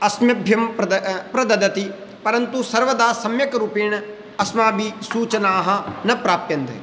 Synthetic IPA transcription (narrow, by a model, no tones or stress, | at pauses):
ɐsmjɐbʱjɐmpɾɐd̪ɐd̪ɐt̪i | pɐɾɐnt̪usɐɾʋɐd̪aːsɐmjɐkɾuːpeːñ | ɐsmaːbisuːt͡ʃɐnaːɦɐnɐpɾaːp̚t̪jɐnd̪ḛ